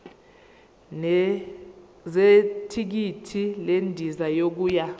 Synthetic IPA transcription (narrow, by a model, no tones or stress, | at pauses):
zetʰik̬itʰilendʱizajok̬uːja